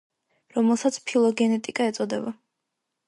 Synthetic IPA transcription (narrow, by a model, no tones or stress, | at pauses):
ɾɔmɛlˠsat̪sʰpʰilˠɔɡɛnɛt̪ʼikʼaɛt̪sʼɔd̪ɛba